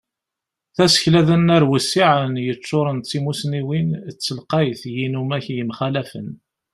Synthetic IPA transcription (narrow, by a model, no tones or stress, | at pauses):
θæsə̥çlæðənːæɾwəsːiʕənjət͡sːoɾˤənt͡sːimusniwint͡sːəlqɑjθjinumæçjəmχælæfən